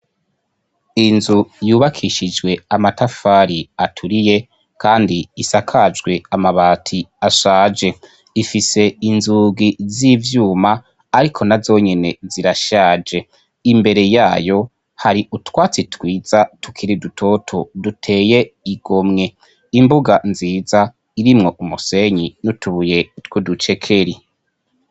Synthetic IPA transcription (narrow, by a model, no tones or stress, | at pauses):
inzujuːβakʰiʃid͡ʒɡwe̞amatafaːɾiatʰuɾije̞ | kʰaːndiːsakʰad͡ʒɡwe̞amaβaːtʰiaʃaːd͡ʒe̞ | ifise̞inzuɡizivjuːmaː | ɾikʰo̞nazo̞ːɲe̞ne̞̰ziɾaʃaːd͡ʒe̞ | imbe̞ɾe̞jaːjo̞ | haɾiʔutwaːt͡sitwiːz̥atʰu̥kʰiɾidutʰo̞tʰo̞dutʰe̞ːje̞iɡ̥o̞mŋe̞ | imbuɡanziːza | iɾimŋo̞ʔumuse̞ɲinutuβuje̞twudut͡ʃe̞kʰe̞ɾi